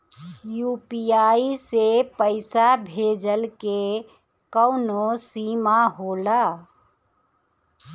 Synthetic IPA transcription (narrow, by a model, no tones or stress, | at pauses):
jupijaːisepəɪsabʱed͡ʒəlke | kəʊnosimaɦoːla